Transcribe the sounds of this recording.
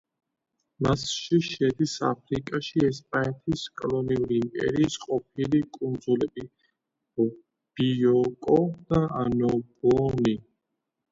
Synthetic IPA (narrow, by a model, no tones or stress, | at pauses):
masʃiʃɛd̪isa̰pʰɾikʼaʃiɛspʼanɛt̪ʰiskʼɔlɔniuɾiːmpʼɛ̰ɾiːsqʼɔp̚ʰilikʼund̪zulɛbi | ɔ | b̥iɔkʼɔd̪̥aanɔbɔni